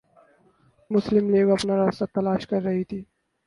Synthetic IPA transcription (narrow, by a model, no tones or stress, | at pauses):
mʊslɪmleːɡɐpnaɾaːst̪at̪ɐlaːʃkɐɾːɐɦit̪ʰiː